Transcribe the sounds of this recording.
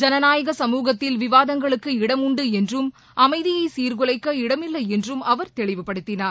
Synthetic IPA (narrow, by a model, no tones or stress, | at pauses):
d͡ʒɐnɐnaːjɐɣɐsɐmuːɣɐt̪ːɪlʋɪʋaːðɐŋɡɐɭɯkːɯɪɽɐmʊɳɖɯɛndrɯm | ʔɐmɐɪðɪjɐɪsiːɾɡʊlɐɪkːɐɪɽɐmɪlːɐɪɛndrɯmɐʋɐɾt̪ɛɭɪʋɯpːɐɽɯt̪ːɪnaːɾ